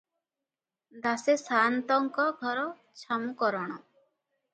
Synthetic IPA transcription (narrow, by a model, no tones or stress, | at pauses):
d̪asesaːnt̪ɔŋkɔɡʱɔɾɔ | t͡ʃʰamukɔɾɔɽ̃ɔ